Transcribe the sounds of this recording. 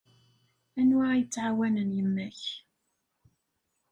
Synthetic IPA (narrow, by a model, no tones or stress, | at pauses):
ænʊʕajət͡sːʕawænənjəmːæç